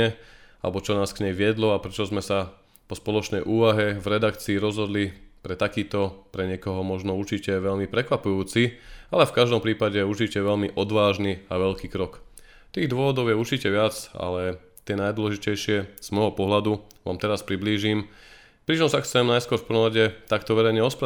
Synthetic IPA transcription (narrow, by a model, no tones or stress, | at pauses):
ɛa̰lɛbɔt͡ʃɔnaːskɲɛjʋɪɛd̪lɔapɾɛt͡ʃɔzmɛsa | pɔspɔlɔt͡ʃnɛjʔuːʋaɦɛvɾɛd̪akt͡siːɾɔzɦɔd̪lipɾɛt̪akiːt̪ɔpɾɛɲɪɛkɔɦɔmɔʒnɔuɾt͡ʃicɛʋɛʎmipɾɛkʋapujuːt͡sialɛfkaʒd̪ɔmpɾiːpaɟɛjɛuɾt͡ʃicɛʋɛʎmiʔɔd̪ʋaːʒniaʋɛʎkiːkɾɔk | t̪iːɣd̪ʊɔʋɔd̪ɔʊjɛuɾt͡ʃicɛʋɪat͡sa̰lɛ | t̪ɪɛnajd̪wɔlɛʒicɛjʃɪɛz̥mɔjɦɔpɔɦlad̪uʋa̰ːmt̪ɛɾaspɾibliːʒim | pɾit͡ʃɔmsaxt͡sɛmnajskʊɔɾfpɔnɔʋaɟɛt̪akt̪ɔʋɛɾɛjɲɛɔspɾa